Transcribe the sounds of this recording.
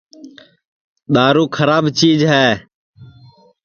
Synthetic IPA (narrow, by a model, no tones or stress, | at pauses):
ɗ̪aːɾuːkʰəɾaːbt͡ʃiːd͡ʒɦɛː